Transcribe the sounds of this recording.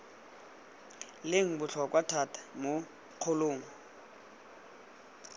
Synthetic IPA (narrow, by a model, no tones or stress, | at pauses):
lɪŋ̩bʊɬʰɔkwatʰatʰḁmo | q͡χʰʊloːŋɔ